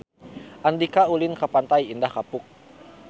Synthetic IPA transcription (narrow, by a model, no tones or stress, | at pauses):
ʔandikaulinkapant̪ajindahkapʊk̚